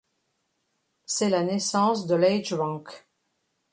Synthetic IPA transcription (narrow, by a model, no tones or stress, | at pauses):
sɛlanɛsɑ̃sd̪əlɛjd͡ʒwɑ̃k